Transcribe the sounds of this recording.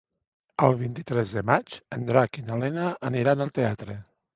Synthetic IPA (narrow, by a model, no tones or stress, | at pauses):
əlˠβint̪it̪ɾɛzðəmad͡ʒənd̪ɾakinalɛnaːniɾanəlˠt̪eat̪ɾə